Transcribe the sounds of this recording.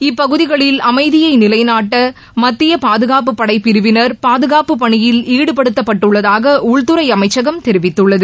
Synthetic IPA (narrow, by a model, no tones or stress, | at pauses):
ɪpːɐɣɯðɪɣɐɭɪlɐmɐɪðɪjɐɪnɪlɐɪnaːʈːɐ | mɐt̪ːɪjɐpaːðɯɣaːp̬ɯpːɐɽɐɪpːɪɾɯʋɪnɐɾpaːðɯɣaːpɯpɐɳɪjɪliːɽɯpɐɽɯt̪ːɐpːɐʈːɯɭːɐðaːɣɐʔʊɭt̪ɯɾɐɪɐmɐɪt͡ʃːɐɣɐmt̪ɛɾɪʋɪt̪ːɯɭːɐðɯ